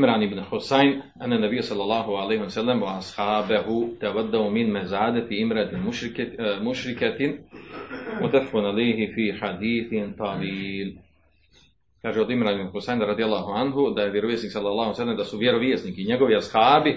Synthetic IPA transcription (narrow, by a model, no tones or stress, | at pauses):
mɾaːniibnxusajnʔanːanːɛbijːasɑlːɑlˠˤːɑːɦualejhiasalːamwaːshaːbaɦut̪awad̪ːaumɪnmazaːd̪at̪iʔimɾat̪ɪmuʃmuʃɾikat̪ | mʊt̪afɪqʊnʕalejɦɪfiːħad̪iːθɪnt̪ɑwiːl | kaːʒɛod̪imɾaːnibnxʊsajnɾɑd̪ijalˠːaːɦuʕanɦud̪ajeʋjeɾoʋiːsniːksɑlːɑlˠːɑːhusalːamd̪asuʋjeɾoʋiːsniːkiɲeɡoʋiashaːbi